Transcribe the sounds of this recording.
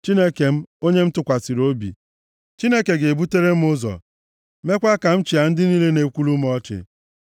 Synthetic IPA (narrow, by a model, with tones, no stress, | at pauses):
t͡ʃi˦ne˦ke˨m̩˦o˦ɲe˦m̩˦tʊ˨kʷa˨si˨ɾo˦bḭ˨ | t͡ʃi˦ne˦ke˨ɡe˨bu˦te˦ɾe˦m̩˦ʊ˦zɔ̰˨ | me˦kʷa˦ka˨m̩˦t͡ʃi˨a˨n̩˦dɪ˦ni˦le˦ne˨kʷu˦lu˦m̩˦ɔ˦t͡ʃɪ̰˨